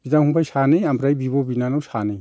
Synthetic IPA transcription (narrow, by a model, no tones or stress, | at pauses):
bizaŋhuŋbajsanɯjambɾajbibɔbinanɔwsanɯj